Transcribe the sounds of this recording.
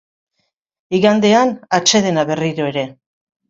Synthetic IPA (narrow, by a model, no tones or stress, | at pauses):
iɣand̪e̞anat͡ʃe̞ðe̞naβe̞riɾo̞e̞ɾe̞